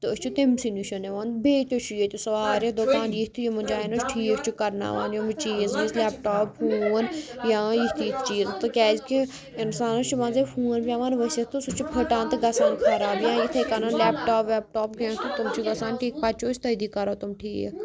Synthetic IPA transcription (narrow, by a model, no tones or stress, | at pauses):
t̪ɨəsʲt͡ʃʰut̪imsinuʃɐneʋaːnbeːt̪ʲot͡ʃʰujet̪usɐʋaːɾɐd̪okaːnjiht̪ʰijimɐnd͡ʒaːinɐt͡ʃʰʈʰiːət͡ʃʰukɐɾna̰ːʋaːnjomɨt͡ʃiːznizlɛːp̚ʈaːphuːʋɐnjãːjit̪ʰijkʰt͡ʃiːzt̪ɨkʲɛːzki | ɪnsaːnɐt͡ʃʰuʋaːnzefʰũːnpʲjãːʋaːnʋɐset̪ɨsut͡ʃʰupʰəʈãːnt̪ɨɡɐsaːnkʰɐɾaːbjãːjit̪ʰɐkɐnanlɛːp̚ʈaːpʋɛːp̚ʈoːpɡẽːt̪ɨt̪umt͡ʃʰiɡɐsaːnʈʰiːk̚pɐt͡ʃʰoːt͡ʃʰʲt̪ɐd̪ikɐɾoːt̪umʈʰiːjḛ